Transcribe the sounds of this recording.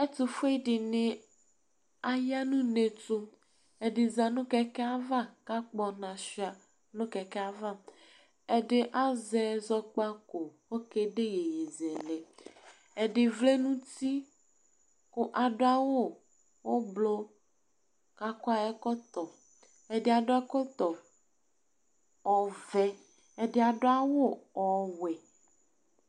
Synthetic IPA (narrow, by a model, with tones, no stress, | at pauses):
e˦t̪u˨fe˦ɖɪ˨nẽ˨ | a˨ja˦nũ˦nẽ˨to˦ | e˨ɖɪ˨za˨nũ˦kɛ˦kɛ˦a˦va˦ka˦k͡pɔ˨nã˨si˦a˨ | nũ˦kɛ˨kɛ˦a˦va˦˨ | e˨ɖe˦ʔa˦zɛ˨zɔ˦k͡pa˦ko˨wo˦ke˦ɖe˦je˨je˨zɛ˨le˨ | e˨ɖe˨vle˦nũ˦t̪i˦ | ko˦ʔa˨ɖo˦a˦wo˦ | wo˦blo˦ | ka˦kɔ˦a˨ɛ˦kɔ˦t̪ɔ˨ | e˨ɖe˦a˨ɖo˦a˦kɔ˦t̪ɔ˨ | ɔ˨vɛ˦ | e˨ɖe˨a˨ɖo˦a˦wo˦ɔ˨wɛ˨